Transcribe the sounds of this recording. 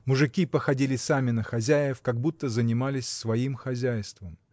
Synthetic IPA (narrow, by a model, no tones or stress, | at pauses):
mʊʐɨkʲipəxɐdʲilʲɪsamʲɪnəxɐzʲæjɪfkɐɡ̚but̪ːəzənʲɪmalʲɪsʲsvɐimxɐzʲæjst̪vəm